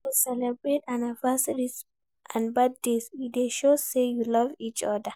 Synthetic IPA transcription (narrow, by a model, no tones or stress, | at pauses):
usɛlɛbɹetãnavastɹis | ʔãnbad̚desideʃosejulɔvit͡ʃɔdə